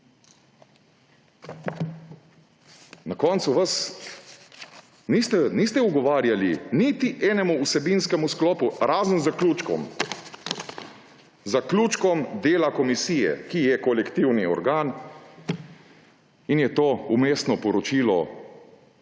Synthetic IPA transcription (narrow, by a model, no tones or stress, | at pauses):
nakɔːnt̪suʋas | nist̪ɛnist̪ɛuɡɔʋaːɾjalinit̪iʔɛːnɛmuusɛbinskɛmusklɔːpuɾaːzənzakluːt͡ʃkɔ̰m | zakluːt͡ʃkɔmd̪eːlakɔmisiːjɛ̰kijɛkɔlɛkt̪iwniɔ̰ɾɡaːn | injɛt̪oːumeːst̪nɔpɔɾɔt͡ʃiːlɔ